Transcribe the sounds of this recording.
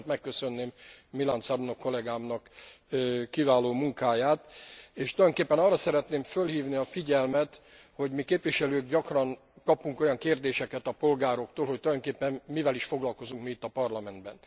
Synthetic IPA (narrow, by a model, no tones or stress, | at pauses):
t̪mɛkːøsø̞nːeːmmilant̪sɒlunokːo̞lɛɡaːmnɒkː | ivaːloːmuŋkaːjaːt̪eːʃt̪oldoŋkeːpːɛnɒːrːɒsɛɾɛt̪neːɱfølhiːvniɒfiɟɛlmɛt̪ | ho̞ɟmikeːpʋiʃɛløːɡɟɒkrɒŋ | kɒpuŋko̞jɒŋkeːrd̪eːʃɛkɛt̪ɒpo̞lɡaːɾo̞k̚t̪oːlhoct̪oljd̪oŋkeːpːɛnmivɛliʃfo̞ɡlɒlko̞zuŋkmiːt̪ːɒpɒrlɒmɛnd̪bɛ̰n